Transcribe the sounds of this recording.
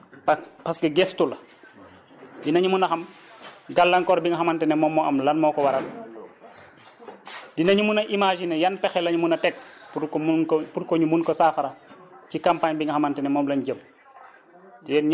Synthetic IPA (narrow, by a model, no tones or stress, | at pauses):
ppɐskɛɡɛstulɐ | dinɐɲumunɐxɐmɡalːɐŋkɔɾbiŋɡɐxɐmɐntɛnɛmɔmːɔɐmlɐnmɔːkɔwɐɾɐl | dinɐɲumunɐʔimaʒinɛjɐnpɛxɛlɐɲumunɐtɛk̚pukkpuɾkɔɲumunkɔsaːfɐɾɐcikampaɲbiŋɡɐxamɐntɛnɛmɔmlɐnɟəm | ɛnɲ